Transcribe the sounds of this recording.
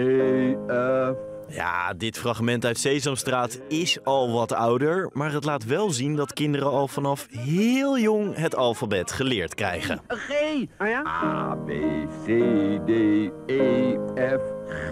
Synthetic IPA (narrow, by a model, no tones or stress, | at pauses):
eɛ | ja̰ːdɪtfrɑχmɛntœɥtsejzɔmstraːt | ɪsɑlˠʋɑtʌwdəɹmaːɹɦətlaːtʋɛlˠzindɑtkɪndəɾəɑlˠvɑnɑfɦɪːlˠjʊŋɦətɑlˠfabɛtχəlɪːɹtkrɛ̰jχə̰neja̰bḛsedeeɛf